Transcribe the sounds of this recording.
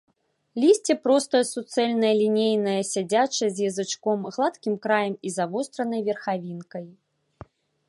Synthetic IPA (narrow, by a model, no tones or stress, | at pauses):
lʲisʲt͡sʲɛpɾɔst̪ɐjɐsut̪sɛlʲnɐjɐlʲinʲejnɐjɐsʲad͡zʲat͡ʂɐzʲjɐzɨt͡ʂkɔmɣlˠat̪kʲimkɾajɐmizavɔst̪ɾɐnɐjvʲɛrxavʲinkɐj